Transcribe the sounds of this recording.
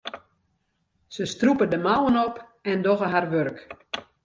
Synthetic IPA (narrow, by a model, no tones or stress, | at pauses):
səstrupədəmawənɔpɛndɔɣəɦarʋørk